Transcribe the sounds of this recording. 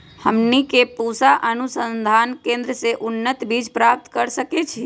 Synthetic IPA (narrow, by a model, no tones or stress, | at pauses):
həmnikepusaʔənusənd̪ʱankẽnd̪ɾəseʔunːət̪bid͡ʒpɾap̚t̪kəɾsəket͡ʃʰi